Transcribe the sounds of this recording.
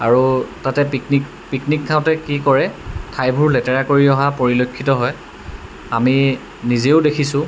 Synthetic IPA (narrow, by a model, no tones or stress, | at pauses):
aɹutatɛpiknik | piknik̚tʰaʊ̃tɛkikɔɹɛtʰajbʱuɹlɛtɛɹakoɹiɔɦapoɹilokʰːitɔɦɔj | ami | nizeʊdekʰisʊ̃